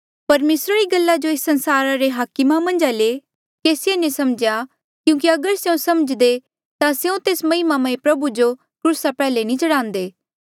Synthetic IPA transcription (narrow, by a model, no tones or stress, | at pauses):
pɐɾmeːsɾaɾiɡɐlːad͡ʒoeːsːɐ̃nsaːɾaɾeɦaːkɪmamɐ̃nd͡ʒale | keːsɪenẽsɐmd͡ʒja | kjũːk̬iɐɡəɾseũsɐməd͡ʒd̪e | t̪aseũt̪eːsmɐɦɪmamãĩpɾɐbud͡ʒo | kɾuːsapɛːlenĩt͡ʃɐɽãːnd̪eː